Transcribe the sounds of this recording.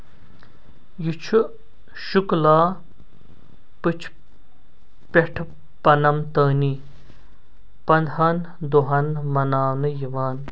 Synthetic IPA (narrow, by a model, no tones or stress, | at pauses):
jit͡ʃʰu | ʃuklaː | pɨt͡ʃʰ | peʈʰ | pɐnɐmt̪ɐːni | pɐnd̪ɦɐn | d̪oɦɐnmɐnaːnɨjiʋaːn